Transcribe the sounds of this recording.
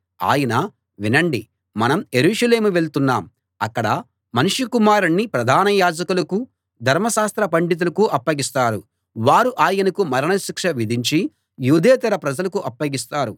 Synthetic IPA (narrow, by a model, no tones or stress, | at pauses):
a̰ːjɐnɐ | ʋinɐɳɖi | mɐnɐmjeɾuːʂɐle̞ːmuʋe̞ɭt̪unːaːm | ɐkːɐɽɐ | mɐnuʂikumaːɾɐɳːipɾɐd̪ʱaːnɐjaːd͡ʒɐkulɐku | d̪ʱɐɾmɐʃaːst̪ɾɐpɐɳɖit̪̬ulɐkuʔɐpːɐɡist̪aːɾu | ʋaːɾuʔaːjɐnɐkumɐɾɐɳɐʃikʂɐʋid̪ʱiɲt͡ʃi | juːd̪ʱeːt̪ɐɾɐpɾɐd͡ʒɐlɐkuʔɐpːɐɡist̪aːɾu